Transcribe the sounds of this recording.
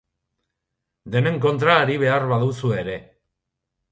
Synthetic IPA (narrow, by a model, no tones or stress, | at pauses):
d̪e̞ne̞ŋko̞nt̪ɾaːɾiβ̞e̞arβaðusue̞ɾe̞